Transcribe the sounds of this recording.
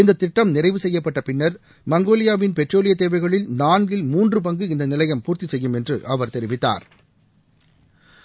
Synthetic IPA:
ɪnd̪ɐt̪ːɪʈːɐmnɪrɐɪʋɯsɛjːɐpːɐʈːɐpɪnːɐɾ | mɐŋɡoːlɪjaːʋɪnpɛʈroːlɪjɐt̪eːʋɐɪɣɐɭɪlnaːnɡɪlmuːndrɯp̬ɐŋɡɯɪnd̪ɐnɪlɐjɐmpuːɾt̪isɛjːɯmɛndrɯ̰ʔɐʋɐɾt̪ɛɾɪʋɪt̪ːa̰ːɾ

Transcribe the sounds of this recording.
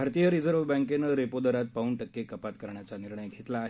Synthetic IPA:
aɾt̪ijəɾid͡zəɾʋbə̃ŋkenəɾepod̪əɾat̪̚pauɳʈəkːekəpat̪kəɾɳjat͡saniɾɳəjɡʱet̪laːɦ

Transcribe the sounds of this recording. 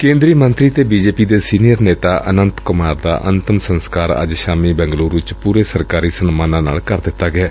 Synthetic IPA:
kẽːnd̪ɾiːmənt̪ɾiːt̪eːbiːd͡ʒeːpiːd̪eːsiːnijəɾneːt̪aːʔənənt̪kʊmaːɾd̪a̰ːʔə̰nt̪əmsənskaːɾə̰d͡ʒʃaːmiːbɛ̃ːŋɡluːɾɪt͡ʃpuːɾeːsəɾkaːɾiːsənmaːnãːna̰ːlkəɾd̪ɪt̪ːaːɡɛː

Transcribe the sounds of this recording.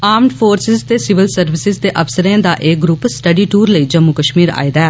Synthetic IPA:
aːmɖpʰoːɾsɪzt̪eːsɪʋɪlsəɾʋɪsɪzt̪eːʔəfsəɾẽːd̪aːʔeːɡɾupsʈəɖiːʈuːɾləiːd͡ʒəmːuːkəʃmiːɾa̰ːid̪aɛː

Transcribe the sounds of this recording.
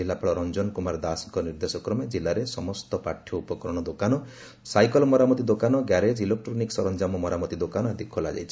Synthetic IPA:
ilːapaɭɔɾɔnd͡ʒɔnkumaɾd̪asŋkɔniɾd̪esɔkɾɔmed͡ʒilːaɾesɔmɔst̪ɔpaʈʰjɔupɔkɔɾɔɽ̃ɔd̪okanɔ | sajkɔlmɔɾamɔt̪id̪okanɔɡjaɾed͡ʒilek̚ʈɾɔniksɔɾɔnd͡ʒamɔmɔɾamɔt̪id̪okanɔad̪ikʰɔla̰d͡ʒa̰jt͡ʃʰi̥

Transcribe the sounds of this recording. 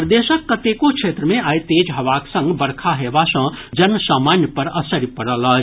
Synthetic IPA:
pɾd̪eːʃəkːət̪ekokʃʰeːt̪ɾəmẽaːjt̪eːd͡ʒɦɐʋaːksə̃ŋɡbəɾkʰaɦeːbasə̃d͡ʒənsaːmaːnjəpəɾəsəɾjpəɽələ

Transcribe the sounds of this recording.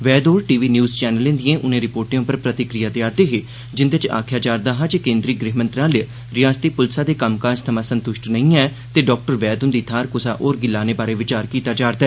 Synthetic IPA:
ʋɛːd̪oːɾʈiːʋiːnjuːzt͡ʃɛːnəlẽːd̪ɪjẽːʔʊnẽːɾɪpoːɾʈɪjõːpəɾpɾət̪ɪkɾɪjaːt̪ɪjaːɾd̪eːɦeː | d͡ʒɪnd̪et͡ʃa̰ːkʰjaːd͡ʒaːɾd̪aːɦãt͡ʃekẽːnd̪ɾiːɡɾeːɦmə̃nt̪ɾãːl | ɾɪjaːst̪iːpʊlsaːd̪eːkəmkãːst̪ʰəmãːsənt̪ʊʃʈnəĩːɛː | t̪eːɖɔːk̚ʈəɾʋɛːd̪ʊ̃nd̪iːt̪ʰaːɾkʊsa̰ːʔoːɾɡɪlːaːneːbaːɾeːʋɪt͡ʃaːɾkiːt̪aːd͡ʒaːɾd̪aɛː

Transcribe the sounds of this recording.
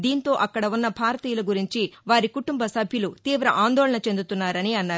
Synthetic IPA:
d̪iːnt̪o̞ːʔɐkːɐɽɐunːɐbʱaːɾɐt̪iːjɐlɐɡuɾiɲt͡ʃiʋaːɾikuʈumbɐsɐbʱjulut̪iːʋɾɐʔaːnd̪ɔːɭɐɳɐt͡ʃe̞nd̪ut̪unːaːɾɐniɐnːaːɾ

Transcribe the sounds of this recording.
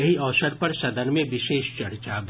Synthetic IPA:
ɐɦiɔːsəɾpɐɾsɐd̪əɾmẽʋɪʃeːʃt͡ʃɐɾt͡ʃabʱ

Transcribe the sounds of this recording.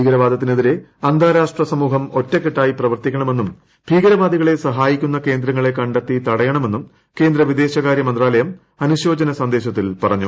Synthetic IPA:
iːɡɐɾɐʋaːd̪ɐt̪ːineðiɾe̞ɐnd̪ʱaːɾaːʂʈrɐsɐmuːɦɐmo̞tːɐkːeʈːaːjiprɐʋɐrt̪ikʲːɐɳɐme̞nːum | bʱiːɡɐɾɐʋaːd̪iɣɐɭe̞sɐɦaːjikʲːunːɐke̞ːnd̪ɾɐŋːɐɭe̞kɐɳɖɐt̪ːit̪ɐɽɐjɐɳɐme̞nːum | ke̞ːnd̪ɾɐʋid̪e̞ːɕɐɣaːɾjɐmɐnd̪raːlɐjɐm | ɐnuɕo̞ːd͡ʑɐnɐsɐnd̪e̞ːɕɐt̪ːilpɐrɐɲːu

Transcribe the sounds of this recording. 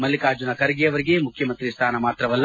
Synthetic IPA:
mɐlːikaːd͡ʒunɐkɐɾɐɡejɐʋɐɾiɡemukʰjɐmɐnt̪ɾist̪ʰaːnɐmaːt̪ɾɐʋɐlː

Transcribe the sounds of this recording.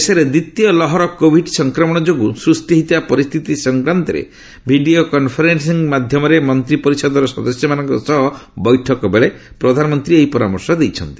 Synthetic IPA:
sɔɾed̪it̪ijɔlɔɦɔɾɔkobʱiɖsɔŋkɾɔmɔɽ̃ɔd͡ʒoɡusɾust̪iɦit̪iapɔɾist̪ʰit̪isɔŋkɾant̪ɔɾḛ | bʱiɖiokɔnpʰɔɾens̬iŋmad̪ʱjɔmɔɾemɔnt̪ɾipɔɾisɔd̪ɔɾɔsɔd̪ɔsjɔmanɔŋkɔsɔɦɔbɔjʈʰɔkɔbeɭe | pɾɔd̪ʱanɔmɔnt̪ɾiejpɔɾamɔɾsɔd̪ejt͡ʃʰɔnt̪i̥

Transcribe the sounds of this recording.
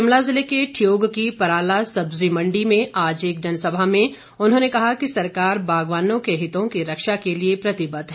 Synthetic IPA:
ɪmlazɪlekeʈʰijoːɡkipɐɾaːlasɐbzimɐ̃ɳɖimẽʔaːd͡ʒeːk̚d͡ʒɐnsɐbʱamẽ | ʊnɦõːnekɐɦakisɐɾkaːɾbʱaːɡʋaːnõkeɦɪt̪õkiɾɐkʃakeliepɾɐt̪ɪbət̪ɦɛ

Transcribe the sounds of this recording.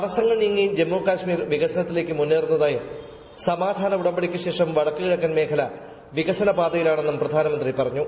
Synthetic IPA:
ɐrɐsɐŋːɐɭniŋːid͡ʑe̞mːoːkaːɕmiːrʋiɣɐsɐnɐt̪ːile̞ːkʲːɨmunːeːrunːɐðaːjum | sɐmaːd̪ʱaːnɐuɽɐmbɐɽikʲːɨɕe̞ːʂɐmʋɐɽɐkːɨkiɻɐkːɐːnme̞ːkʰɐlɐ | ʋiɣɐsɐnɐbaːd̪ɐjilaːɳe̞nːumprɐd̪ʱaːnɐmɐnd̪ripɐrɐɲːu

